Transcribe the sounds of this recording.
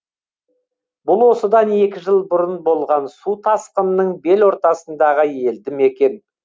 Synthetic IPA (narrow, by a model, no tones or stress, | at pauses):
bʊlˠwo̞səd̪ɑne̞kʲɪʒəlˠbʊɾənbo̞lˠʁɑnsut̪ʰɑsqənːəɴbe̞lwo̞ɾt̪ɑsənd̪ɑʁəje̞ld̪ɪme̞kʲe̞n